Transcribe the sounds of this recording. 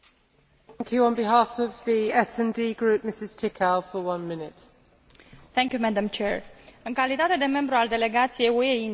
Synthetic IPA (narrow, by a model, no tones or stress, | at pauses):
ŋkʰjʉə̃nbɪɦɑˑfəvðiɛsɛ̃ndiːɡɹʉˑp̚mɪsɪz̥tʰɪkʰalˠfəwʌ̃nmɪ̃nɪt | θæ̃ŋkʲjumæd̪əmt͡ʃɛɹɨŋkalit̪at̪e̞d̪e̞me̞mbɾuald̪e̞le̞ɡat̪sijejuei